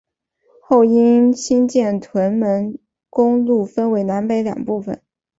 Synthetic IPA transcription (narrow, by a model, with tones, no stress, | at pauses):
xo˥˩ʊi˥ɕi˥nt͡ɕjɛ˥˩nt̪ʰwə˧˥nmə˧˥n | kʊ˥ŋlu˥˩fə˥nwe˧˥ɪna˧˥npe˧˥ɪljɑ̰˨˩ŋpu˥˩fə̰˨˩˦n